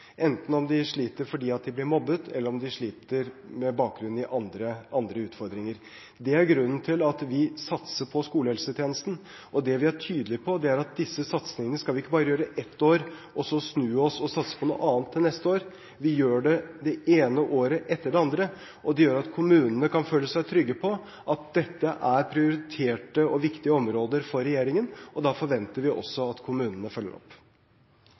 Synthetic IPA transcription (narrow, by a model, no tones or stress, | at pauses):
ʔɛnt̪n̩ɔmd̪ɪʂɭiːt̪əɾfɔɖiːɑt̪̚d̪ɪblɪɾmɔbːət̪ʰɛ̰lːəɾɔmd̪ɪʂɭiːt̪əɾmɛbɑːk̚ɡɾʉnɪʔɑnd̪ɾəɑnd̪ɾəʉːt̪fɔɾd̪ɾɪŋəɾ | d̪ɛæɾɡɾʉnːn̩t̪ʰɪlɑt̪ʋɪsɑt̪səpʰɔskuːləhɛlsət̪ʰjeːnəst̪n̩ | ʔɔd̪ɛʋɪæʈʰyːd̪əlɪpʰɔd̪ɛæɾɑt̪̚d̪ɪsːəsɑt̪snɪŋənəskɑlʋɪɪkːəbɑːɾəjøːɾəʔɛt̪ʰːoːɾ | ʔɔsɔsnʉːɔsɔsɑt̪sə̥pʰɔnṵːʔɑːnt̪ʰːɪlnɛst̪əoːɾ | ʋɪjøːɖɛd̪ɛeːnəʔoːɾəʔɛt̪ːəɖɛɑnd̪ɾə | ɔd̪ɛjøːɾɑt̪kʰʊmʉːnənəkʰɑnføːlːəsæɪt̪ʰɾʏɡːəpʰɔ | ʔɑt̪̚d̪ɛt̪ːəʔæɾpʰɾɪʊɾɪt̪ʰeːʈəɔʋɪkt̪ɪəɔmɾoːd̪əɾfɔɾːɛjeːɾɪŋənɔd̪ɑfɔɾʋɛnt̪əɾʋɪʔɔ̰sːɔɑt̪kʰʊmʉːnənəfœlːə̰ɾɔ̰pː